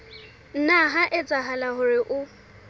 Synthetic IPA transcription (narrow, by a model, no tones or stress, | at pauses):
n̩naɦaʔɛt͡sʼaɦalaɦʊɾɪʔʊ